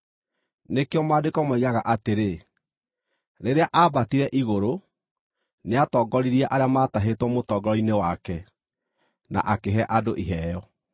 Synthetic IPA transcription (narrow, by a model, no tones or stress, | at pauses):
nekeɔmaːdekɔmwɛiɣaɣaʔateɾe | ɾeɾeaʔabatiɾɛʔiɣoɾo | neatɔːɡɔɾiɾiaʔaɾeamataɦetwɔmotɔɡɾɔinewakɛ | na̰ʔakeɦɛʔadoʔiɦɛːjɔ